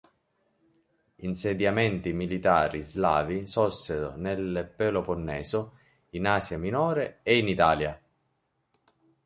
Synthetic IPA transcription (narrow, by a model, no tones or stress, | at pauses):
insed̪jamɛnt̪imilit̪aːɾizlaːvisɔsːeɾo̰nelpeloponːɛːsʊ | inaːsjaminɔːɾeeinit̪aːlja